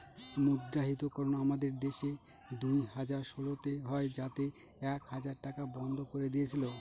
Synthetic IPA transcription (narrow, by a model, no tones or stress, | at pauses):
mudɾaɦit̪̬okɔɾonaamad̪eɾd̪eʃe | d̪ujɦad͡ʑaɾʃolot̪eɦɔed͡ʑat̪e | ɛkhad͡ʑaɾʈakabɔnd̪ʱokoɾed̪iet͡ɕʰilo